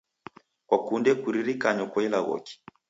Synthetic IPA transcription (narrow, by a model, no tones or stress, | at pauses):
kwakundɛkuɾiɾikaɲɔkɔɛlaɣɔ̰ki̥